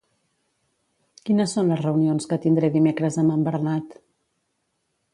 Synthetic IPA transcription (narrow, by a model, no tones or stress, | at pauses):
kinəsːonləzrəunionskət̪ind̪ɾɛðimekɾəzəməmbəɾnat̪